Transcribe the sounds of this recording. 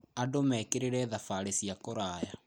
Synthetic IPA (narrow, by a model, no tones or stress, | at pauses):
adomɛkeɾeɾɛðafaɾesiakoɾaːja